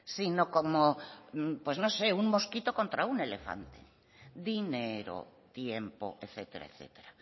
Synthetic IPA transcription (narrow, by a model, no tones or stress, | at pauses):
sinokomo | pweznoseuŋmoskit̪okont̪ɾaunelefa̰nt̪e | d̪ineɾo̰t̪jempo̰ʔeθet̪eɾa̰eθḛt̪eɾa